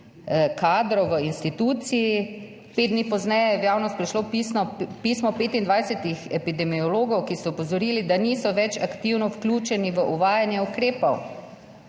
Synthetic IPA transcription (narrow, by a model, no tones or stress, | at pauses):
kaːd̪ɾɔwʋəinst̪it̪uːt̪siji | ped̪nipɔznɛjɛjɛwjaːwnɔst̪̚pɾiʃlopisɔpismɔpeːt̪ind̪ʋajsɛt̪ixɛpid̪ɛmiɔloːɡɔwkist̪ɔɔpɔzɔɾiːlid̪aniːsɔʋɛt͡ʃakt̪iwnɔwklʲuːt͡ʃɛniʋəʔuʋaːjanjɛukɾeːpɔw